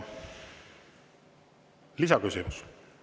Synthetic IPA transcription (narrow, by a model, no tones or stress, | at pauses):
lisɑkysimus